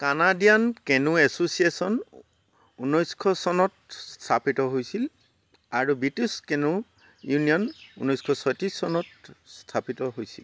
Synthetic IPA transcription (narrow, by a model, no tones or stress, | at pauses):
kanadijankɛnũɛsosiesɔn | unɔjskʰɔsɔnɔt̚stʰapitɔɦojsil | aɹubɹituskɛnũ | junijɔnunɔjskʰɔsɔjtɹisːɔnɔtstʰapitɔɦojsil